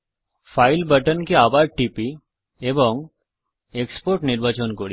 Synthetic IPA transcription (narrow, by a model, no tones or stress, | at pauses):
fʰaːɪlbəʈənkeaːbaːd̪̚ʈipi | ebɔŋɡ | ekspoːɾʈnɪɾʋat͡ʃənkoɾi